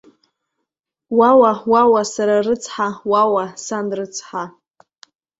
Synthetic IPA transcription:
wawawawasaɾarɨt͡sʰħawawasanrɨt͡sʰħa

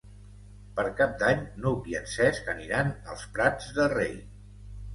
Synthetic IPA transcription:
pəɾkap̚d̪aɲnowβiənsɛskəniɾanə̰lˠspɾad͡zðəlˠrḛj

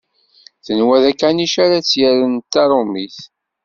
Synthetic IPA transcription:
θənwæðækːaniʃaɾat͡sːjæɾənt̪ːɑɾˤʊmiθ

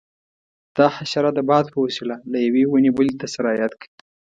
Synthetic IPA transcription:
d̪̥ɑxaʃaɾad̪əbɑd̪̚pəwasilalajawewunebəlit̪asaɾɑjat̪kəi

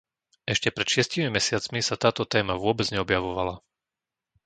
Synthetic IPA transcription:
ɛʃcɛpɾɛt̪ʃɪɛscimimɛsɪat͡smisat̪aːt̪ɔt̪ɛːmaʋʊɔbɛd͡zɲɛɔbjaʋɔʋala

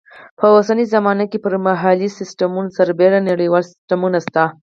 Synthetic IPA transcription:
pəosanizamɑnakepəɾmaɦalisɪsʈamunosaɾbeɾanaɽijwɑlsɪ̥sʈamunast̪a

